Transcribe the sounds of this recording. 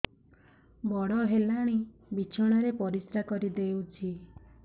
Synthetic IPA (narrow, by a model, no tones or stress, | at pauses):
bɔɽɔɦelaɽ̃ibit͡ʃʰɔɽ̃aɾepɔɾisɾakɔɾid̪ewt͡ʃʰi